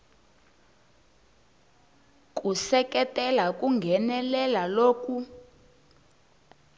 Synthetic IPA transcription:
k̬ʼusɛkɛtʼɛlakʼuŋɡʱɛnɛlɛlaloːku

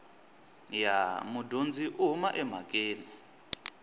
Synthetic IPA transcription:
jamudʱund͡zʱiʔuɦumaʔɛm̤akʼeːni

